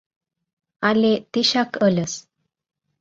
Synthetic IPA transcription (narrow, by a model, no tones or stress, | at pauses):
alet̪iɕakʰələs